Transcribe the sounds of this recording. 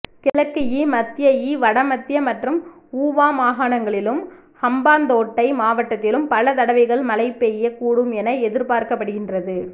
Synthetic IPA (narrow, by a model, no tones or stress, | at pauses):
kɪlɐkːɯjimɐt̪ːɪjɐjiʋɐɽɐmɐt̪ːɪjɐmɐʈrɯm | uːʋaːmaːɣaːnɐŋɡɐɭɪlɯm | hɐmbaːnd̪oːʈːɐɪmaːʋɐʈːɐt̪ːɪlɯmpɐlɐt̪ɐɽɐʋɐɪɣɐɭmɐlɐɪpːejɐkuːɽɯmɛnɐɛðɪɾpaːɾkɐpːɐɽɯɣɪndrɐðɯ